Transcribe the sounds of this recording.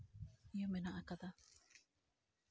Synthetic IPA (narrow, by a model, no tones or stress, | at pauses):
ijomenaʔakad̪a